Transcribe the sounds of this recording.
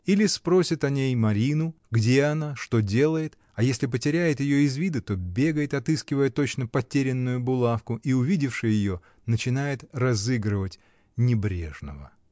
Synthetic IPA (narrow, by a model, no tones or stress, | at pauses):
ilʲɪspɾo̞sʲɪt̪ɐnʲejmɐɾʲinʊ | ɡdʲe̞ɐnaʂt̪o̞dʲe̞lˠəjɪt̪ | ɐjesʲlʲɪpətʲɪɾʲæjɪt̪jɪjo̞ɪzvʲid̪ət̪o̞bʲe̞ɡəjɪt̪ɐt̪ɨskʲɪvəjət̪o̞t͡ɕnəpɐtʲeɾʲɪnːʊjʊbʊlˠafkʊʔiʊvʲidʲɪfʂɨjjɪjo̞ | nət͡ɕɪnajɪt̪rɐzɨɡɾɨvətʲ | nʲɪbɾʲe̞̰ʐnə̰və̰